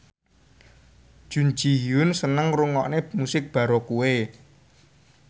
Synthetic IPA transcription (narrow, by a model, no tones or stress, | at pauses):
ʒ̥un̥t͡ʃijjʊnsənəŋruŋɔʔnemusɪk̚b̥a̤ɾokuwe